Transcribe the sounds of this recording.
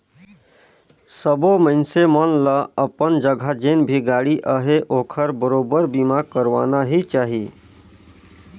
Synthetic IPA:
səboməɪnsemənləəpənd͡ʒəɡʱad͡ʒeːnbʱiɡaːɽiʔəɦeʔoːkʰəɾbəɾoːbəɾbimakəɾʋaːnaɦit͡ʃaːɦie

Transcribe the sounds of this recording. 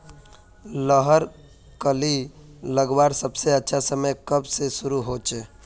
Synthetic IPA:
ləɦəɾ | kəliləɡbaːɾsəbseətːʃʰasəməjkəbsesʊɾuɦoːt͡ʃe

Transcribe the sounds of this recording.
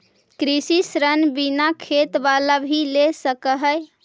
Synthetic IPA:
kɾisisɾənbinakʰet̪balabʱilesəkəɦəj

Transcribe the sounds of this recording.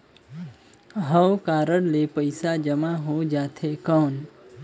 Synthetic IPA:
ɦəwkaɾəɽlepəjsad͡ʒəmaɦod͡ʒat̪ʰekəːn

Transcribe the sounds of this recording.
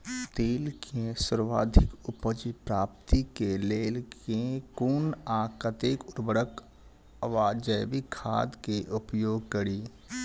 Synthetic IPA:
t̪eːlkʰesəɾʋaːd̪ʱɪkʊpəd͡ʒipɾaːp̚t̪ikeleːlkẽkuːnaːkət̪eːkʊɾbəɽək | əʋaːd͡ʒəjʋikʰaːd̪keʔʊpjoːɡ̚kəɾiː

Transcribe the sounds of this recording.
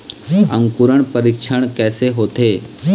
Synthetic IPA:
ə̰̃ŋkuɾəɳ̃pəɾikʃʰəɳ̃kɛːseɦoːt̪eː

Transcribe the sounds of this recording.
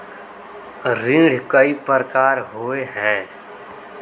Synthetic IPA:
ɾĩːɽ̤kəipəɾəkaːɾɦoːeɦɛ̃ː

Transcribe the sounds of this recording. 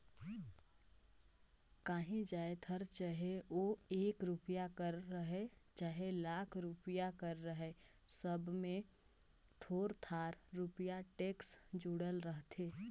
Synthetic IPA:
kaːɦĩd͡ʒaːet̪ʰəɾt͡ʃaɦeoeːkɾupjakəɾːəɦet͡ʃaːɦelaːkʰɾʊpjakəɾːəɦesəbmẽ | t̪ʰoːɾt̪ʰaːɾɾupijaʈeːksd͡ʒuːɽəlɾəɦt̪ʰeː

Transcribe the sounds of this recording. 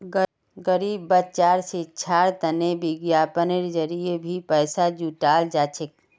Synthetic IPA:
ɡəɾiːbːətt͡ʃaːɾset͡ʃʰaɾt̪ənebiɡjaːpəneɾd͡ʒəɾijebʱipəːsad͡ʒuːʈaːld͡ʒaːt͡ʃʰek̚

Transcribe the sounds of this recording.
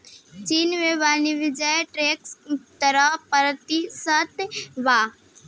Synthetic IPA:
t͡ʃiːnʋeʋaːniʋɪd͡ʒəjʈɾekst̪əɾapəɾt̪isət̪ʋaː

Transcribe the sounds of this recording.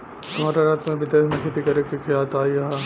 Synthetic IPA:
t̪ɐmaːɾaɾaːt̪mẽbɪd̪eːmẽkʰet̪ikɐɾekikʰijaːt̪aːiɐɦa

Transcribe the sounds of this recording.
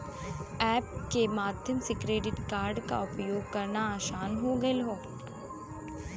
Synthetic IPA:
ɛːp̚kemaːd̪ʱjəmsɪkɾeːɖɪʈkaːɾɖka̰ʊpjoːɡkɐɾnaaːʃaːnɦoɡɐelɦoː

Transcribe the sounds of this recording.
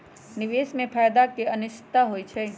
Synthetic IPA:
nɪʋeːsmẽpʰaːjd̪akeənɪʃɪ̥t̪aɦoːit͡ʃʰeː

